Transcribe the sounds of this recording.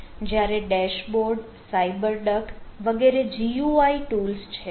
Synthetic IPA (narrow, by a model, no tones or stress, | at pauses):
d͡ʒjaɾeɖɛʃboɾɖ | saibəɾɖəkʋəɡeɾed͡ʒiuaiʈulst͡ʃʰe